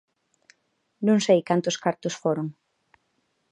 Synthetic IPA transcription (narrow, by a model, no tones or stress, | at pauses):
nũŋsejkant̪ʊskaɾt̪ʊsfoɾoŋ